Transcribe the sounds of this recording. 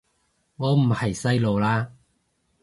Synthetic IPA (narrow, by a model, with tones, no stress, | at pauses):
ŋɔː˨˧m̩˨˩hɐ˨˩jsɐ˥jlo˨˧wlaː˥